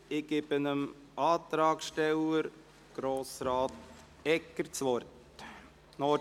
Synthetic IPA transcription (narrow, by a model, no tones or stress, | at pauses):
ɪɡ̥ɪbənəm | ʔɑːt̪ɾɑːkʃtɛləɾ | ɡ̥ɾoːsɾɑːt̪ | ɛkːəɾt͡sʋɔɾt | nɔː